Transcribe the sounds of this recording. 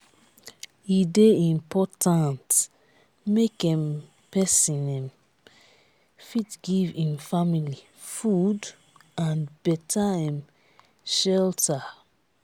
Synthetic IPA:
ideĩmpɔtʰãnt | mekɛ̃m | pɛsĩnɛ̃m | fitɡivĩmfamili | fud | ãnbɛtʰaɛ̃m | ʃɛltʰa

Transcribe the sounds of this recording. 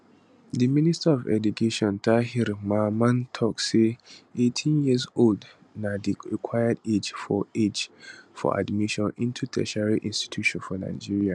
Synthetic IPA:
diministaɔvɛ̰dukʰeʃɔ̃ntʰaɦiɾmamãntʰɔkseetʰĩnjizold | nadiɹikʰwajəded͡ʒfɔed͡ʒfɔ̰ʔa̰dmiʃɔ̃nĩntʰutʰɛ̰ʃɹiʔĩnsti̥tʰuʃɔ̃nfɔna̰ɪd͡ʒiɹia

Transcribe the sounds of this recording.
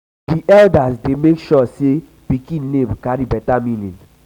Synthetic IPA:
diʔɛldasdemekʃɔse | pikĩnlẽmkaɾibɛtamĩlḭ̃n

